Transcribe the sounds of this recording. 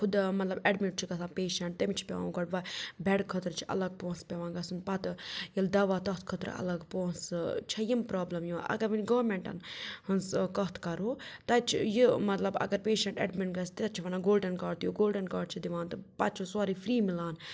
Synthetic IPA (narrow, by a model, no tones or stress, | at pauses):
kʰud̪mɐt̪lɐbeɖmiʈ̚t͡ʃʰiɡɐsʰãːnpeːʃɐɳʈ̚t̪ɐmit͡ʃʰi̥pʲḛʋa̰ːɡɐɽʋɐbʱɛɽkʰɐt̪ɾt͡ʃʰi̥ɐ̰lɐɡ̚põːnspʲeʋãːnɡɐsɨnpɐt̪jild̪ɐʋaːt̪ɐt̪ʰkʰɐt̪ɾ̰ɐ̰lɐɡpõːnsɨt͡ʃʰɐjimpɾaːblɐmjuʔɐ̰ɡɐɾʋinɡɐʋɾmeɳʈɐ̰nhɐnskɐt̪ʰkɐɾoːt̪ɐt͡ʃʰijimɐt̪lɐbɐ̰ɡɐɾpeːʃɐɳʈḛɖmiɳʈɡɐst̪ɐt͡ʃʰiʋɐnaːɡoːlɖɐnkaːɽt̪ijoɡoːlɖɐnkaːɽt͡ʃʰid̪iʋaːnt̪ɨpɐt͡ʃʰisaːɾiːfʰɾiːmilaːn